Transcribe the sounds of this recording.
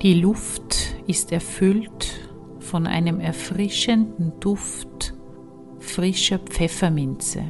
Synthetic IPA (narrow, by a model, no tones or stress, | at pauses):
d̥iːlʊftɪstɛɐfʏlt | fɔnʔa̰ɪnəmɛɐfʁɪʃəndn̩d̥ʊft | fʁɪʃɐpp͡fɛfɐmɪnt͡sə̰